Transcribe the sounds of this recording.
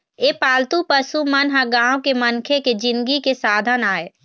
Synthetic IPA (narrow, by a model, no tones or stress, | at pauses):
eːpaːlt̪upəsumənɦãɡãːwkemənkʰeked͡ʒɪ̃nd̪ɡikesaːd̪ʱənaːeː